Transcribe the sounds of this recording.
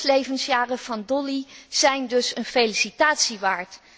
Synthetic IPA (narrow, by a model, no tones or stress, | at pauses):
lejvənsjaːrəv̥ɑndɔliz̥ɛjndɵsənfejlisitaːtsiʋaːɹt